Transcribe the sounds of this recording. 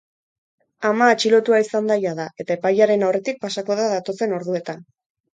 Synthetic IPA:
amaːt͡ʃilo̞t̪uaisand̪ajaðaʔe̞t̪ae̞pajaɾe̞nawre̞t̪ik̚pasako̞ðaðat̪o̞se̞no̞ɾðue̞t̪an

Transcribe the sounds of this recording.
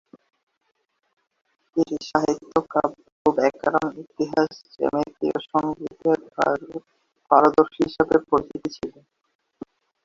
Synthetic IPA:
eɾiʃaɦit̪ːokab | kubɛkːaɾonit̪iɦaʃt͡ɕḛmek̪ɾibeʃonɡit̪eɾa̰ | b̥aɾod̪oɾʃɦiʃabepoɾt̪it̪it͡ɕʰile

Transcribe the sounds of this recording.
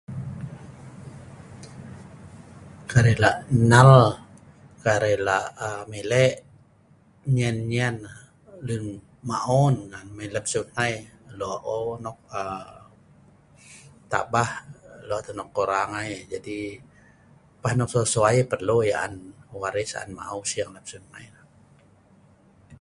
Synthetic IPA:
kaɾɛlaʔnal | kaɾɛlaʔmilɛʔ | ɲɛnɲian | lun | maʔɔnŋanmiləp̚sunajlɔʔonɔk̚ə | t̪a̰ʔbahlɔʔt̪ənɔkːoɾaŋajd͡ʒadi | pahnɔk̚sosuaipərlojaʔa̰nwaɾisa̰a̰nma̰ʔawsiaŋləp̚sunnajla

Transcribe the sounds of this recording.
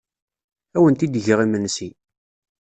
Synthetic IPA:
æwənt̪id̪ʝəʁimənsi

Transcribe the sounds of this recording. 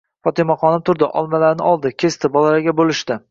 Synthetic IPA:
fɒt̪ɪmaqɒnɪmt̪ʰʊɾd̪ɪʔɒ̰lˠmalaɾnɪɒlˠd̪ɪkʲʰest̪ʰɪbɒlaɾaɡʲabolɪʃt̪ɪ

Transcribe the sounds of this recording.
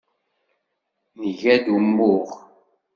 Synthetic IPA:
nɣɛdum̩buʁ

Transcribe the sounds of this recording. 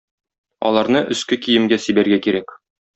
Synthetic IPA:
ɒ̰lˠɑɾnɤʔɵ̆skɘkijɘ̆mɡæsibæɾɡækiɾæk

